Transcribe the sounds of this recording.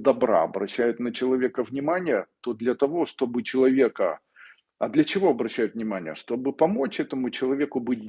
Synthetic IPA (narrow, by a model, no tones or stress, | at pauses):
d̪ɐbɾa̰ɐbɾɐɕːæjʊt̪nət͡ɕɪlˠɐvʲe̞kəvnʲɪmanʲɪjət̪o̞d̪lʲɐt̪ɐvo̞ʂt̪o̞bɨt͡ɕɪlˠɐvʲe̞kə | ɐd̪lʲɐt͡ɕɪvo̞ɐbɾɐɕːæjʊt̪vnʲɪmanʲɪ̰jə̰ʂt̪o̞bɨpɐmo̞t͡ɕɛt̪əmʊt͡ɕɪlˠɐvʲe̞kʊbɨt̚ʲ